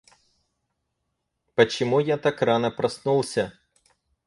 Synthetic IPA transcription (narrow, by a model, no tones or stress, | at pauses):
pɐt͡ʃɔmujat̪ɑkɾɑnɛpɾɐsnulˠsʲɐ